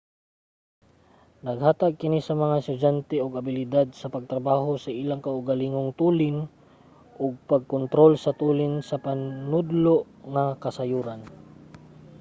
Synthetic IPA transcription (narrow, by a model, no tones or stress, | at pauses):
nɐɡhaːt̪aɡ̚kɪnisɐmɐŋaɪst̪ʊd͡ʒant̪ɛoɡɐbɪlɪd̪ad̪̚sɐpɐɡ̚t̪ɾɐbaːɦosɐʔilaŋkaʊɡaliŋoŋt̪uːlɪn | ʔoɡ̚paɡ̚kʊnt̪ɾolsɐt̪uːlɪnsɐpannʊd̪loʔ | ŋakɐsɐjuːɾan